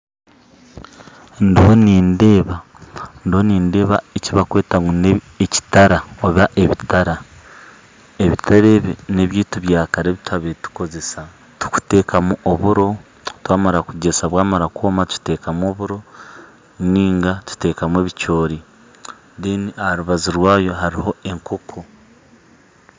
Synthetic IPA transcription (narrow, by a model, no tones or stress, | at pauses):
ndiho̞niːnde̞ːβa | ndiho̞niːnde̞ːβa̰eciβakwe̞ːtaŋune | eci̥taɾaoβaʔeβitaɾa | eβitaɾeβine̞βjiːtuβjaːkaɾeːβitʰaβetu̥ko̞ze̞sa | tu̥ku̥te̞ːkʰamuʔoβuɾo̞ | twaːmaɾakuɟe̞saβwaːmaɾakoːmat̪u̥te̞ːkamwo̞βuɾo̞ | niːŋɡatu̥te̞ːkamwe̞ːβit͡ʃo̞ːɾi | diniahɾuβaziɾwaːjo̞ɦaɾiho̞e̞ŋkokʰo